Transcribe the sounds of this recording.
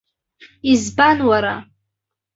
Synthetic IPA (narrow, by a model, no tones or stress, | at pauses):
izbanwaɾa̰